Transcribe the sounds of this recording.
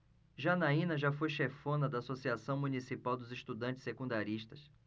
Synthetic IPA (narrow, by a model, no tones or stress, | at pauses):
ʒanaĩnɐʒafojʃefõnɐd̪ɐasosiasɐ̃w̃mũnisipawd̪ʊzɪʃt̪ud̪ɐ̃t͡ʃɪ̥sːekũnd̪aɾiʃt̪ɐs